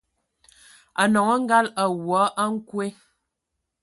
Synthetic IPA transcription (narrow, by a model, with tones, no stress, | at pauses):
a˨nɔ˨ŋɔ˦ŋ̩˦ɡa˦la˨wwɔ˨˦ʔa˦ŋ̩˦kwe˦